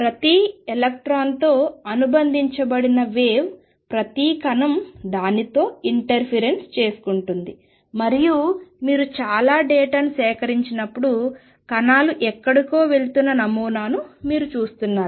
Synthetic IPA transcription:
pɾɐt̪ielɐk̚ʈɾaːnt̪o̞ːɐnubɐnd̪ʱiɲt͡ʃɐbɐɽinɐʋe̞ːʋ | pɾɐt̪ikɐnɐmd̪aːnit̪o̞ːiɳʈɐɾpʰeɾe̞nst͡ʃe̞ːsu̥kuɳʈund̪i | mɐɾijumiːɾut͡ʃaːlaːɖeːʈɐnsɛːkɐɾiɲt͡ʃinɐpːuɽu | kɐnaːluʔɛkːɐɽikoːʋe̞ɭt̪unːɐnɐmuːnaːnumiːɾut͡ʃuːst̪unːaːɾu

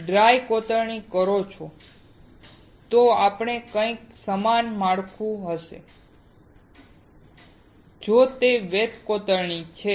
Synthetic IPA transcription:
ɖɾajkot̪əɾɳikəɾot͡ʃʰo | t̪oapɳ̃ekə̃ĩksəmanmaɽkʰũɦəʃḛ | d͡ʒot̪eʋet̪kot̪əɾɳit͡ʃʰe

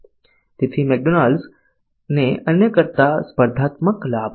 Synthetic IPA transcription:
t̪et̪ʰimek̚ɖonals | neənjəkəɾt̪aspəɾd̪ʱaːt̪məklaːb

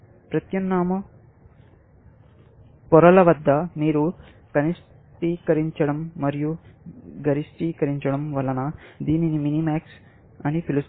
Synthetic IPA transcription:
pɾɐt̪jɐnːaːmɐ | pɔɾɐlɐʋɐd̪ʱːɐmiːɾu | kɐnis | ʈiːkɐɾiɲt͡ʃɐɽɐmːɐɾijuɡɐɾisʈiːkɐɾiɲt͡ʃɐɽɐmʋɐlɐnɐd̪iːniniminimaːks | ɐnipʰilus

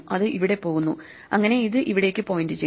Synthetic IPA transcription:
ɐðɨʔiʋiɽe̞po̞ːɣunːu | ɐŋːɐne̞iðɨʔiʋiɽe̞ːkʲːɨpo̞ːjindɨt͡ɕe

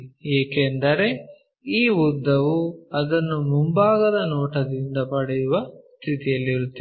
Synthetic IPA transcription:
ɛːkend̪ɐɾe̞ | iːʋud̪ːɐʋuɐd̪ɐnːumumbaːɡɐd̪ɐnɔːʈɐd̪ind̪ɐpɐɽɛjuʋɐst̪ʰit̪ijɐlːiɾut̪ːe

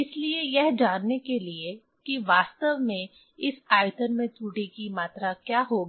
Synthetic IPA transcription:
ɪsliejɛɦd͡ʒaːnːekelie | kiʋaːst̪əʋmẽ | ɪsaːjt̪ənmẽt̪uːʈikimaːt̪ɾakjaːɦoːɡiː

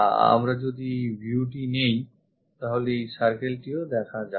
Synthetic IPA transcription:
a̰mɾad͡ʑod̪ibʱuʈinej | t̪aɦolesaɾkelʈiod̪ɛkʰad͡ʑa

